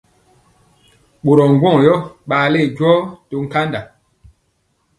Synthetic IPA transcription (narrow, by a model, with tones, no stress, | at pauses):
ɓo˨ɾɔ˨ŋ̩˨ɡwɔ̃˦˨jɔ˦ɓaː˨le˦˨ɟwɔː˦to˨ŋ̩˦ka˦nda˨